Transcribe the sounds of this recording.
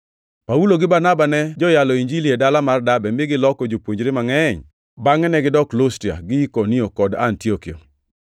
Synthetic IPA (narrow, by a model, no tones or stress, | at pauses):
pauloɡɪbarnabanɛd͡ʒɔjalɔiɲd͡ʒiliedalamardabɛmbɪɡɪlɔkɔd͡ʒopwoɲd͡ʒɾemaŋɛɲ | baŋɛnɛɡɪdɔklostia̰ɡɪikoniokɔdantiokio̰